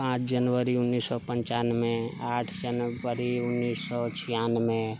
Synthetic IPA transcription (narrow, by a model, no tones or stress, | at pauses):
pãt͡ʃʰd͡ʒənʋəɾiʊnːiːsːɔpə̃ɲt͡ʃaːnmẽaːʈʰd͡ʒənʋəɾiʊnːiːsɔt͡ʃʰijanmẽ